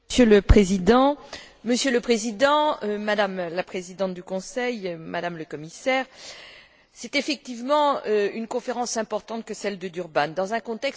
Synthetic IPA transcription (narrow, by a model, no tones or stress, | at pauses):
sjøləpχezid̪ɑ̃ | məsjøləpχezid̪ɑ̃ømad̪amlapχezid̪ɑ̃t̪̚d̪ykɔ̃sɛjmad̪amləkɔmisɛːʁ | sɛt̪efɛk̚t̪ivmɑ̃øynkɔ̃feʁɑ̃sɛ̃pɔʁt̪ɑ̃t̪̚kəsɛld̪əd̪yʁband̪ɑ̃zɛ̃kɔ̃t̪ɛks